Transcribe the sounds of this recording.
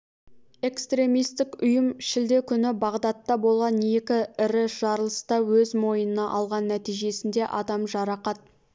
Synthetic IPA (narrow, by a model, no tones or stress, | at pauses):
e̞kst̪ɾe̞mijst̪ɪkʊjəmʃɪld̪e̞kʲʰʏnɪbɑʁd̪ɑt̪ːɑbo̞lˠʁɑnːjekʲɪɪɾɪʒ̥ɑɾəlˠəst̪ɑwɵzmo̞jənənɑʔɑlˠʁɑnːæt̪ijʒe̞sɪnd̪e̞ʔɑd̪ɑmʒɑɾɑqɑt̪̚